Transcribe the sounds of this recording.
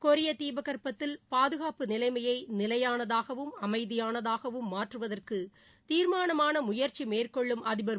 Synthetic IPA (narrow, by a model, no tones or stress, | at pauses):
kɔɾɪjɐt̪iːbɐɣɐrpɐt̪ːɪlpaːðɯɣaːpɯnɪlɐɪmɐjɐɪnɪlɐjaːnɐðaːɣɐʋɯmɐmɐɪðɪjaːnɐðaːɣɐʋɯmːaːʈrɯʋɐðɐrkɯ | t̪iːɾmaːnɐmaːnɐmʊjɐɾt͡ʃimeːrkɔɭːɯmʔɐðɪbɐɾ